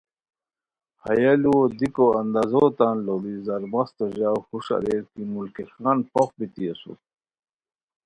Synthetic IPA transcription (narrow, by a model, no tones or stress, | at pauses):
hɐjaluod̪ikoɐnd̪azot̪anlobizɐɾbɐst̪oʑaːhuʂa̰ɾeɾkimulkexaːnpoxbit̪iesṵ